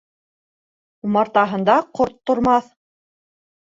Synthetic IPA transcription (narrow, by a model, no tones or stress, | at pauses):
umɑɾt̪ɑɦɤ̆nd̪ɑqoɾt̪ːŏɾmɑθ